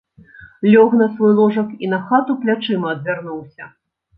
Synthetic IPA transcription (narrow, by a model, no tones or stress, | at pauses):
lʲɔɣnɐsvɔjlˠɔʐɐkinɐxat̪uplʲat͡ʂɨmɐɐd̪vʲarnuwsʲɐ